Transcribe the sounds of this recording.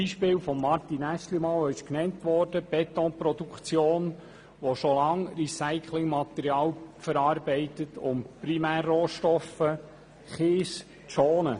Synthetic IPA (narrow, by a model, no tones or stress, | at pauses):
iːʃpɪːwfɔmːɑɾtinæʃlimɑːlɪʃknɛntʋɔːɾd̥əb̥ɛt̪ɔ̃npɾɔdukt͡sjoːn | ʋoʃolɑŋrisæɪkʰlɪŋmɑt̪ɛɾjɑːlfəɾɑːɾbɛɪtətʊ̰mpɾimæːrːoːʃtɔfə | χɪːs | t͡soːnə